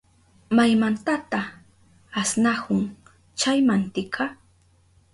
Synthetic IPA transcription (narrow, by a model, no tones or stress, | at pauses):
majmant̪at̪a | asnahʊŋ | t͡ʃajmant̪ɪkʰɑ